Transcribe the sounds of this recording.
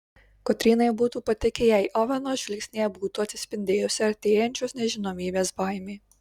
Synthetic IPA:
kɔt̪ʲɾʲiːnɐɪbuːt̪uːpɐt̪ʲɪkʲɪjɛɪʔɔʋʲɛnoːʒʲʋʲɪlʲksʲnʲeːjɛbuːt̪uːɐt̪ʲsʲɪ̥sʲpʲɪnʲd̪ʲeːjʊsʲɪɐt̪ʲeːjɛnʲt͡ʃʲoːsnʲɛʒʲɪnoːmʲiːbʲeːsbɑˑɪmʲeː

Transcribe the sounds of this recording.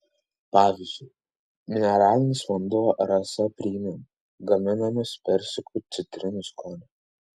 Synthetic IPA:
pɑːʋʲɪzʲd͡ʒʲʊɪ | mʲɪnʲɛɾɑːlʲɪnʲɪsʋɐnd̪uɔɾɐsɐpʲɾʲiɪmʲɛm | ɡɐmʲɪnɐmʲɛspʲɛɾʲsʲɪkʊt̪sʲɪt̪ʲɾʲɪnʲʊskɔːnʲɛ

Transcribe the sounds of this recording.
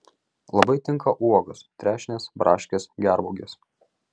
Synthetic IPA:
lˠɐbɐɪt̪ʲɪŋˑkʰɐʔuɔɡʊst̪ʲɾʲæːʃʲnʲeːsbɾʔɑːʃʲkʲesɡʲæɾbʊɡʲes

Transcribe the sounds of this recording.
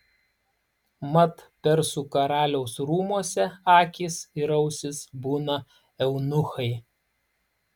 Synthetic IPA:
mɐt̪pʲɛɾsuːkɐɾɑːlʲɛʊsɾuːmuɔsʲɛɑːkʲiːsɪɾɐʊsʲɪsbuːnɐ | ɛʊnʊxɐɪ

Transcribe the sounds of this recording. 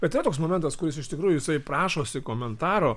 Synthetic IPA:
bʲɛt̪ʲːɪɾɐt̪oːksmoːmʲɛnt̪ɐskʊɾʲɪsɪʃt̪ʲɪkɾuːjʊjɪsɐɪpɾɑːʃoːsʲɪkoːmʲɛnt̪ɑːɾoː

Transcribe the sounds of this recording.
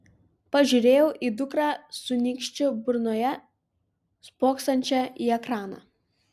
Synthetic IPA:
pɐʒʲuɾʲeːjɛʊʔiːd̪ʊkɾɑːsʊnʲiːkʃʲt͡ʃʲʊbʊɾnoːjɛ | spoːkst̪ɐnʲt͡ʃʲɛʔiːɛkɾɑːnɑ̰ː

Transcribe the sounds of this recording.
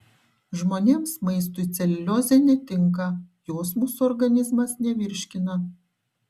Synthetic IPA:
ʒmoːnʲeːmsmɐɪs̬t̪ʊɪt̪sʲɛlʲɪlʲoːzʲɛnʲɛt̪ʲɪŋˑk̬ɐjoːsmuːsuɔɾɡɐnʲɪzmɐsnʲɛʋʲɪɾʲʃʲkʲɪnɐ

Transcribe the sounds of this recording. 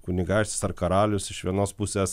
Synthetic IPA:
kʊnʲɪɡɑːʃʲt̪ʲɪ̥sɐrkɐɾɑːlʲʊsɪʃʋʲiɛnoːspʊsʲeːs

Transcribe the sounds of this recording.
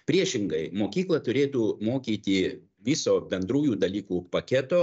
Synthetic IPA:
pʲɾʲiɛʃʲɪŋɡɐɪmoːkʲiːklˠɐt̪ʊɾʲeːt̪uːmoːkʲiːt̪ʲi | ʋʲisoːbʲɛnd̪ɾuːjuːd̪ɐlʲiːkuːpɐkʲɛt̪oː

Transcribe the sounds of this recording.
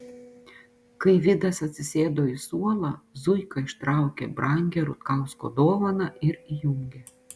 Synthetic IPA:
kɐɪʋʲɪd̪ɐsɐt̪ʲsʲɪsʲeːd̪oːɪsuɔlˠɐzʊjkɐɪʃt̪ɾɑˑʊkʲɛbɾʔɑŋʲɡʲɛɾʊt̪kɑʊsko̰d̪oːʋɐnɐʔɪɾijuŋʲɡʲɛ

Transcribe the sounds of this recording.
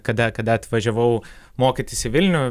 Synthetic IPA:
kɐd̪ɐkɐd̪ɐɐt̪ʋɐʒʲɛʋɐʊmoːkʲɪt̪ʲɪsɪʋʲɪlʲnʲʊ

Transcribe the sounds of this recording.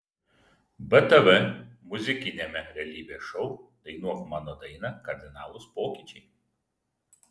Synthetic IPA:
bɛt̪ɐʋɛmʊzʲɪkʲɪnʲeːmʲɛɾʲɛːlʲiːbʲeːʃɔʊd̪̥ɐɪnuɔkmɑːnoːd̪ɐɪnɐkɐɾʲd̪ʲɪnɑːlˠʊspoːkʲiˑt͡ʃʲɛɪ

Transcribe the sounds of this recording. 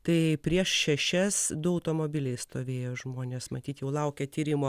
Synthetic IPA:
t̪ɐɪpʲɾʲiɛʃʃʲɛʃʲɛsd̪ʊɐʊt̪oːmoːbʲɪlʲɛɪst̪oːʋʲeːjoːʒmoːnʲeːsmɐt̪ʲiːt̪jɛʊlˠɐʊkʲɛt̪ʲiːɾʲɪmo

